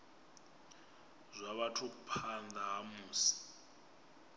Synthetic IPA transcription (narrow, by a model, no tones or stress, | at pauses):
zʷaβatʰuk̬ʼupʰandaɦamuːsi̥